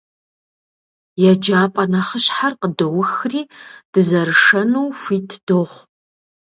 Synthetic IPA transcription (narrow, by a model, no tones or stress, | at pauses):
jɛd͡ʒaːpʼɐnɐχəɕħarqədowʊxriːd̥ɨzɐrʂɐnuwfʷiːtʰd̥oːʁʷ